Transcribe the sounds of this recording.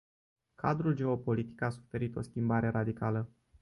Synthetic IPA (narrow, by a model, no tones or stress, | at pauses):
kʰa̰d̪ɾuld͡ʒe̞o̞po̞lit̪i̥kasu̥fe̞ɾit̪o̞skʲimbaɾe̞ɾad̪ikalə